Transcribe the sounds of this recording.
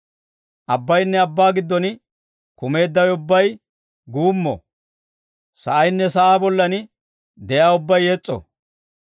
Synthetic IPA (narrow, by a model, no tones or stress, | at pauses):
ʔɐbːɐjnːɛɐbːaːɡɪd̪ːɔn | kʊme̞ːd̪ːɐwjʊbːɐj | ɡuːmːɔ̰ | sɐ̰ʔɐjnːɛsɐʔaːbɔlːɐnɪ | d̪ɛjaːʊbːɐjːɛt͡sʼːɔ̰